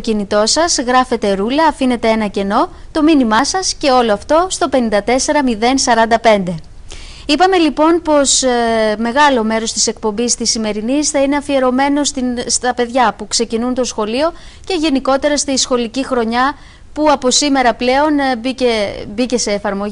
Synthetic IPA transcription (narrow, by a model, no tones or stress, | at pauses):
ocinit̪o̞sɐzɣɾɐfe̞t̪e̞ɾulɐːfine̞t̪e̞enɐce̞no̞t̪o̞minimɐsɐsce̞o̞lo̞ɐft̪o̞st̪o̞pe̞nind̪ɐt̪e̞se̞ɾɐmiðe̞nsɐɾɐnd̪ɐpe̞nd̪e̞ | ipɐme̞lipo̞npo̞sme̞ɣɐlo̞me̞ɾo̞st̪i̥se̞k̚po̞mbist̪isime̞ɾinisθɐine̞ɐfie̞ɾo̞me̞no̞st̪ist̪ɐpe̞ðʝɐpukse̞cinunt̪o̞sxo̞lio̞ | ce̞ʝe̞niko̞t̪e̞ɾɐst̪isxo̞licixɾo̞ɲɐ | puɐpo̞sime̞ɾɐple̞o̞nbicebice̞se̞ːfɐɾmo̞ʝ